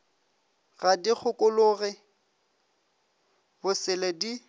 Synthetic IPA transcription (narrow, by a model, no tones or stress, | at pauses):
ɣadik͡xʰʊkʼʊlʊɣɪ | bʊsɪledi